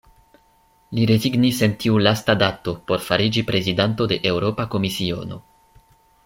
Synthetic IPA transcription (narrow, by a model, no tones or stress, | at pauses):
liɾe̞ziɡnise̞ntiulastadato̞po̞ɾfaɾid͡ʒipɾe̞zidanto̞de̞ʔe̞wɾo̞pako̞misio̞̰no̞̰